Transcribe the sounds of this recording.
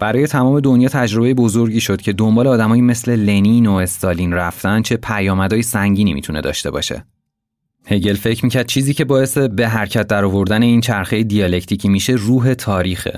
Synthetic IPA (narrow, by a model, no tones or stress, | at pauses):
b̥æɾɒːje̞t̪ʰæmɒːme̞d̪o̞njɒːt̪ʰæd͡ʒɾo̞bejebo̞zoɾɟiːʃo̞d̪̥̚cʰe̞d̪o̞mbɒːleːd̪æmɒːjime̞sle̞le̞nino̞e̞st̪ɒːliːnræft̪ænd̪t͡ʃʰe̞pʰæjɒːmæd̪ɒːjesæŋɟiːnḭmḭt̪ʰune̞d̪ɒ̰ːʃt̪e̞̰bɒ̰ːʃe̞̰ | he̞ɟe̞lfe̞cʰmiːcʰæɾd̪̚t͡ʃʰiːziːcʰe̞bɒːe̞se̞be̞ɦæɾcʰæt̪̚ʰd̪æɾɒːvo̞ɾd̪æne̞iːnt͡ʃʰæɾxejed̪ijɒle̞cʰt̪ʰicʰiːmiʃe̞ruːɦe̞t̪ʰɒːɾiːxḛ